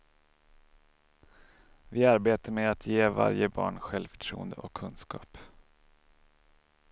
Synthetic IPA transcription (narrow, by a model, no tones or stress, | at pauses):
vɪaɾbeːt̪əɾmeːat̪ʰjeːva̰ɾjəbɑ̰ːɳɧɛlvfœ̥ʈʰɾṵːənd̪əʔɔkʰːɵnskɑ̰ːp